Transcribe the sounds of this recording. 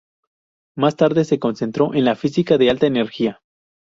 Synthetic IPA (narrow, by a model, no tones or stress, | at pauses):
mast̪aɾðe̞se̞ko̞nse̞nt̪ɾo̞ʔe̞nlafisikaðe̞alt̪aene̞ɾxia